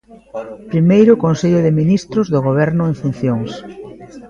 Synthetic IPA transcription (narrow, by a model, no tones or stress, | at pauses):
pɾimejɾʊkonseʎʊðɪminist̪ɾʊzðʊɣ̞oβ̞ɛɾnʊeɱfun̟θjoŋs